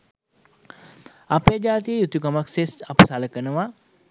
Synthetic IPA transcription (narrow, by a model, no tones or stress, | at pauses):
apejəd͡ʒaːt̪ijəjut̪ukamaksesapəsaləkənəʋa